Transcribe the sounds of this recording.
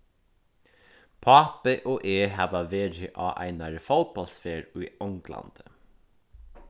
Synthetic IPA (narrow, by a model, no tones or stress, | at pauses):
pʰɑːpəʔoːʔeːhɑːʋɑʋeːɾɪʔɑːʔæ̰ɪnɑɾəfoʊt̪̚bɑlsfeːɹʉːʊŋɡlɑ̰nd̪̥ə